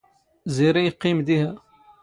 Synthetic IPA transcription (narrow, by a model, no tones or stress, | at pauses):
ziɾijqːimd̪ihæ